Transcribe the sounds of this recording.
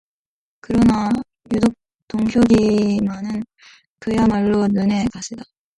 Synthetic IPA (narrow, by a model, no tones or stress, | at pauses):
kɯɾʌna | judok̚ | toŋɕʰjoɡimanɯn | kɯjamaɭːonɯne̞kaɕʰida